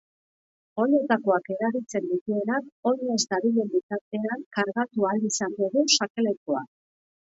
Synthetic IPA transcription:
o̞ɾe̞t̪ako̞ake̞ɾaɾit͡se̞nd̪it̪ue̞nako̞ɾe̞zd̪aβiʎe̞nb̪it͡s̪aɾt̪e̞aŋkaɾɣat̪ualisand̪oɣusakele̞koak

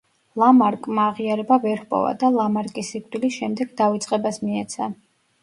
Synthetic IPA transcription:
lˠamaɾkʼmaːʁiaɾɛbavɛɾhpʼɔ̰va̰d̪alˠamaɾkʼisikʼd̪ʼilisʃɛmd̪ɛɡd̪avit̪sʼqʼɛbasmiɛt̪sʰa

